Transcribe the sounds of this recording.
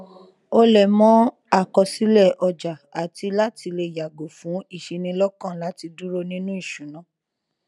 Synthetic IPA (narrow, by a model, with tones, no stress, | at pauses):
o˧lɛ˨mɔ̃˦ | a˦˨kɔ˧si˦lɛ˦˨ʔɔ˧d͡ʒa˨a˨ti˧la˦ti˧le˧˨ja˨ɡo˨fũ˨˦i˦˨ʃi˨˧nĩ˧lɔ˦kã˦˨la˨˦ti˧du˦ɾo˦nĩ˦nũ˦i˦˨ʃũ˨nã˨˦